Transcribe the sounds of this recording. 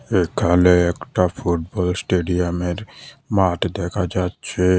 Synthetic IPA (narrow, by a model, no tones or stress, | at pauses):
ekʰaleekʈapʰuʈbɔlsʈeɖijameɾmaʈd̪ekʰad͡ʒat͡ʃʰe